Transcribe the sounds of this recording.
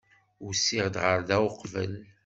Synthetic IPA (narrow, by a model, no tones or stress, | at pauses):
ʊsːiʁd̪ʁəɾd̪æwqvəl